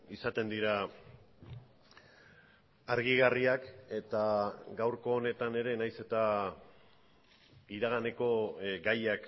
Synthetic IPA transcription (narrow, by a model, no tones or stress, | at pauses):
isat̪e̞nd̪iɾa | ɾɣiɣariake̞t̪aɡawɾko̞ːne̞t̪ane̞ɾe̞najse̞t̪a | iɾaɣ̞ane̞ko̞ɡajak